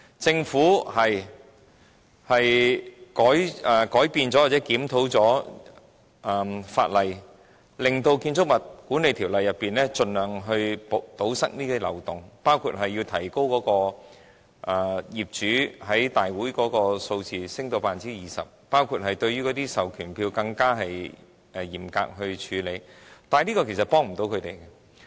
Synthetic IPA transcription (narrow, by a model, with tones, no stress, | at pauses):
t͡sɪ˧ŋfuː˨˥hɐ˨j | hɐ˨jkɔː˨˥jɛ˨kɔː˨˥jpiː˧nt͡sɔː˨˥wa˨t͡sɛ˨˥kiː˨˥mt̪ʰo˨˥wt͡sɔː˨˥˨ | fa̰ː˧t̚lɐ˨j | lɪ˨ŋt̪o˧wkiː˧nt͡sʊ˥k̚mɐ˨t̚kuː˨˥ne˨jt̪ʰiː˨˩wlɐ˨˩jːɐ˨pːiː˨nɛː˥t͡sɵ˧nlœː˨ŋɦɵ˧ɥpt̪o˨˥wsɐ˥k̚niː˥t̪iː˥lɐ̰˨wt̪ʊ˨˩ŋpaː˥wkʰṵː˨˧t̚ɦɐ˨jːi˧wt̪ʰɐ˨˩jko˥wkɔː˨˥kɔː˧ | ʔɛ˨˩jiː˨˩p̚t͡ʃyː˨˥ɦɐ˨˥jt̪aː˨jwuː˨˥jkɔː˨˥kɔː˧so˧wt͡siː˨sɪ˥ŋt̪o˧wpaː˧˩nt͡siː˥jiː˨˩sɐ̰˨˩p̚paː˥wkʰuː˧t̚ɦɐ˨jt̪ɵ˧ɥy˥kɔ˨˧t̪iː˥sɐ˨wkʰyː˨˩npʰiː˧wkɐ˧ŋkaː˥ɦɐ˨j | ɛ˧jiː˨˩mka̰ː˧k̚ɦɵ˧ɥt͡ʃʰyː˨˧˥le˨˧jt̪aː˨˧nniː˥kɔː˧kʰe˨˩sɐ˨t̚pɔː˥ŋm̩˨˩t̪o˨˥wkʰɵ˨˧ɥt̪e˨jkɛ˧